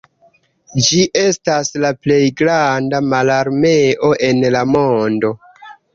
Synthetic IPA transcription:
d͡ʒiʔe̞staslaple̞jɡɾandamalaɾme̞ʔo̞ʔe̞nlamo̞ndo̞

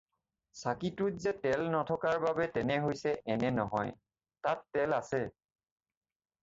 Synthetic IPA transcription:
sakitʊtzɛtɛlnɔtʰɔkaɹbabɛtɛnɛɦojsɛʔɛnɛnɔɦɔ̰j | tatːɛlasɛ

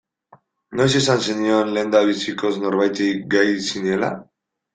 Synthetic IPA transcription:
no̞jsesansenio̞nle̞ːnd̪aβ̞isiko̞zno̞ɾβajt̪eɡajsinie̞la̰

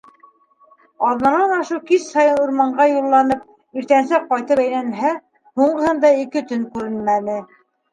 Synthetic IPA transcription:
ɑðnɑnɑnɑʃɤkissɑjɤnuɾmɑɴɢɑjulˠːɑnɤp̚ | iɾt̪ænsæqːɑjt̪ɤpæjlænɦæ | huɴɢɤ̆hɤnd̪ɑikɘt̪ɵŋkʉɾɘnmænɘ

